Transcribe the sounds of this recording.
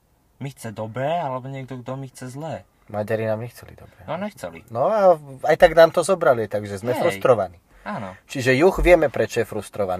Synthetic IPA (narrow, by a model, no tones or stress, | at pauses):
mixt͡sɛd̪ɔbɾɛːalɛbɔɲɪɛɡ̚d̪ɔɡd̪ɔmixt͡sɛzlɛː | maɟaɾinaːmɲɛxt͡sɛlḭd̪ɔbɾɛːnɔɲɛxt͡sɛ̰lḭnɔaajt̪aɡnaːmt̪ɔzɔbɾaliajt̪aɡʒɛzmɛfɾust̪ɾɔʋaniː | aːnɔt͡ʃiʒɛjuɣʋɪɛmɛpɾɛt͡ʃɔjɛfɾust̪ɾɔʋa̰n